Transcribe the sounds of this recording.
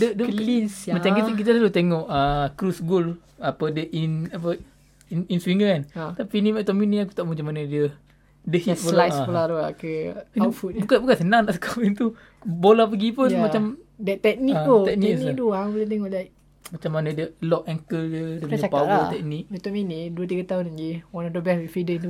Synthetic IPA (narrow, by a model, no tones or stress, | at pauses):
dədəlinsmat͡ʃamkik̬it̪əlalut̪eŋɔʔəkɾusɡul | apədəʔinapə | ininswiŋəkant̪apinimɛt̪ɔminiaku̥t̪aʔmat͡ʃamanadə | dəhiboljsapəlalua̰kəfubukabukansənaŋnaʔsə̥kʰapint̪u | bolahp̬əɡipəmat͡ʃamdət̪ɛk̚nit̪ut̪ɛk̚niknid̪uabəled̪ɛŋɔlajʔ | mat͡ʃamanadəlɔʔɛŋkəldədəɲəpawəlt̪ɛk̚nik̚mɛt̪ɔminiduət̪̬iɡat̪aunad͡ʒiwanadobɛhwifidəint̪u